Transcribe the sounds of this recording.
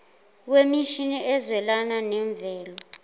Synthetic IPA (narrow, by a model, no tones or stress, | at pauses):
wemiʃiniɛzwɛlananɛɱb̪vʱɛːlɔ